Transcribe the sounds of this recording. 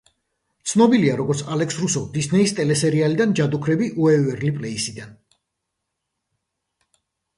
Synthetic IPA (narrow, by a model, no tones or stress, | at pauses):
t̪sʰnɔbiliaɾɔɡɔɾt̪sʰalɛksɾusɔvd̪isnɛist̪ʼɛlɛsɛɾialid̪and͡ʒad̪ukʰɾɛbiʔuɛvɛɾlipʼlɛisid̪an